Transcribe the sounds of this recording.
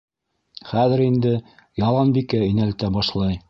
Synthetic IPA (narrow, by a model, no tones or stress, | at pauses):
χæðɘ̆ɾind̪ɘjɑlˠɑnbikɘinælt̪æbɑʃlˠɑj